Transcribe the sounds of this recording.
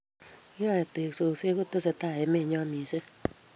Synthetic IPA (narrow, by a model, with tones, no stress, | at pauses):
ɔ˦e˨te˨kso˨se˦ko˦to˦se˨ta˦˨e˨me˦˨ɲɔ˦ni˨se˦